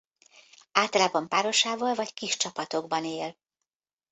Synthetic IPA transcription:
aːlt̪ɒlaːbɒmpaːɾo̞ʃaːvoːlvɒckiʃt͡ʃɒpɒt̪o̞ɡbɒneːl

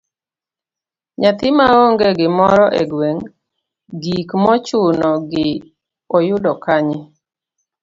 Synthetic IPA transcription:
ɲat̪ɪmaoŋɡeɡɪmɔɾɔʔɛ̰ɡweŋ | ɡikmɔt͡ʃʊnɔɡɪ | ɔjʊdɔkaɲɪ

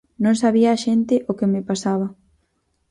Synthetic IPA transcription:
nõŋsaβiaːʃent̪ɪʔokɪmɪpasaβ̞ɐ

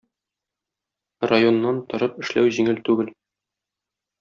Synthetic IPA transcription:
rajo̞nːɑnt̪ŏɾɤpɘ̆ʃlæ̰wʑiŋɘlt̪ʉɡɘl

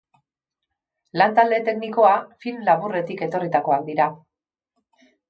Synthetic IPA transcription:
lant̪ald̪e̞t̪e̞kniko̞afilmlaβure̞t̪ike̞t̪o̞rit̪ako̞ak̚d̪iɾa

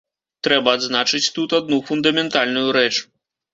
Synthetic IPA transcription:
t̪ɾɛbɐːd̪znat͡ʂɨt͡sʲt̪ut̪ad̪nufund̪ɐmʲɛnt̪alʲnujuɾɛt͡ʂ

